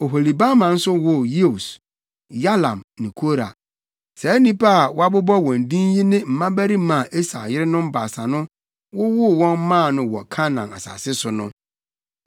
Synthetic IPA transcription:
o˨ɦo˨li˨ba˦mã˨n̩˦sʊ˦wʊ˦je˦o˨s | ja˦lã˨mnɪ̃˨kʰo˦ɾa̰˨ | sɛ˨æ˦nĩ˦pa˦a˨wa˦bʊ˦bɔ˦wɔ̃˨n˨dĩ˦n˦ji˦nɪ̃˦m̩˨mã˦bæ˦ɾi˦mã˨ʔe˦sa̰˨jɪ˦ɾɪ˦nʊ̃˦m˦ba˨sa˨nʊ̃˦ | wʊ˦wʊ˦˨wɔ̃˦n˦mã˦˨nʊ̃˨wɔ˨kʰã˦nã˨na̰˨sa̰˨sɪ˦sʊ˨nʊ̰̃˦

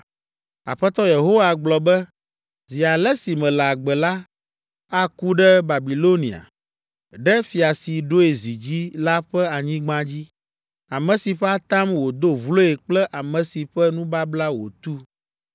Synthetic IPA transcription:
a̰˨ɸɛ˦t̪ɔ˦je˨ɦo˦wa˨ɡ͡blɔ˨bɛ˦ | zi˨a˨lɛ˦si˨mɛ̃˨la˨ɡ͡bɛ˨la˦ | a˦ku˦ɖɛ˦ba˨bi˨lo˦nĩ˨a̰˨ | ɖɛ˦fi˨a˨si˨ɖo˦e˨zi˨d͡ʑi˦la˦ɸɛ˦a˨ɲĩ˦ɡ͡bã˦d͡ʑi˦ | a˨mɛ̃˨si˨ɸɛ˦a˦t̪a˦mwo˨d̪o˦vlo˦e˨k͡plɛ˦ʔa˨mɛ̃˨si˨ɸɛ˦nũ˦ba˦bla˦wo̰˨t̪u˦

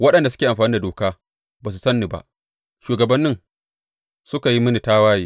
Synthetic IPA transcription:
wɐ˦ɗɐ˨nda˨sʊ˦eː˨ʔa˨mɸaː˨niː˦da˨doː˨kaː˦ | baː˨s̬u̥˨sɐ˦nːiː˨ba̰˦˨ʔ | ʃuː˨ɡɐ˨bɐ˦nːɪ˦ŋ | sʊ˦ka˨ji˦mɪ˦ni˨taː˦waː˦jiː˦

